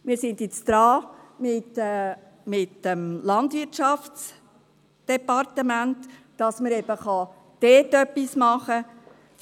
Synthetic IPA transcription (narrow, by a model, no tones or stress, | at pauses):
mɪːɾsɪndjɛt͡sd̪̥ɾɑːmɪtː | mɪtəmlɑndvɪɾtt͡ʃɑft͡s | d̥ɛpɑrtəmæntː | ɑsməɾɛb̥əχɑ | d̪̥ɛːtœpːismɑχə